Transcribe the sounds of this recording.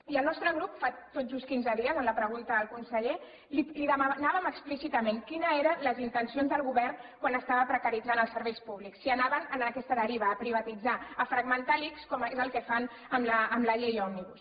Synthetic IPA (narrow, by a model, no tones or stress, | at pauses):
iəlˠnɔst̪ɾəɣɾupfat̪od͡zuskinzəðiəzənləpɾəɣ̞unt̪əðəlˠkunsəʎe | liliðəmanaβəməksplisit̪əmeŋkinəeɾənləzint̪ənsionzðəlˠɣuβɛɾnkwanəst̪aβəpɾəkəɾid͡zanəlˠsəɾβɛjspuβliksiənaβənənkɛst̪əðəɾiβ̞əːpɾiβ̞ət̪id͡zaəfɾəɡmənt̪alikskɔmezəlˠkɛfan | əmləːmləʎejɔniβus